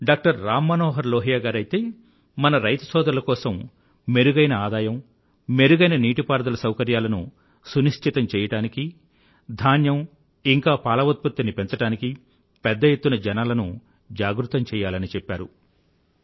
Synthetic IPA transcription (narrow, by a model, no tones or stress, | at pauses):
ɖaːk̚ʈɐɾːaːmːɐnɔːɦɐɾlɔːɦijaːɡaːɾɐjt̪e̞ː | mɐnɐɾɐjt̪ɐsɔːd̪ɐɾɐlɐkɔːsɐm | me̞ɾuɡɐjnɐaːd̪aːjɐm | me̞ɾuɡɐjnɐniːʈipaːɾɐd̪ɐlɐsɐwkɐɾjaːlɐnṵ | suniʂʈʰit̪ɐmt͡ʃɛːjɐʈaːniki | d̪ʱaːnjɐm | iŋkaːpaːlɐʋɐt̪̚put̪ːɐnipent͡ʃɐʈaːniki | pɛd̪ːɐjet̪ːunɐd͡ʒɛnaːlɐnu | d͡ʒaːɡɾut̪ːɐmt͡ʃɛːjaːlɐnit͡ʃɛpːaːɾṵ